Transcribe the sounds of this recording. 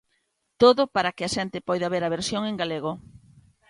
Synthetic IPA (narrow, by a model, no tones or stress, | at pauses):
t̪oðʊpaɾakɪɐʃɛnt̪ɪpɔjðaβeɾɐβ̞eɾsjoŋeŋɡaleɣ̞o